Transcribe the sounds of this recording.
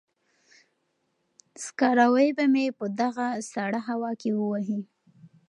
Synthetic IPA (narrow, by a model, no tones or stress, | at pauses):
skɑɾawəjbamepəd̪aɣasaɽaɦawɑkewəwaɦi